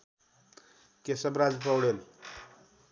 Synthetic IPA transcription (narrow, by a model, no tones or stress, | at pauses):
kesʌbɾad͡zpʌwɽel